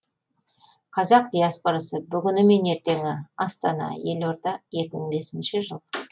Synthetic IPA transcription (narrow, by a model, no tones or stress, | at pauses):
qʰɑzɑq̚d̪ijaspo̞ɾɑsəbʏɡʲʏnɪme̞ne̞ɾt̪e̞ŋʲɪɑst̪ɑnɑ̰je̞loɾd̪ɑʒe̞kʲɪməɴbe̞sɪnʃɪʒəlˠ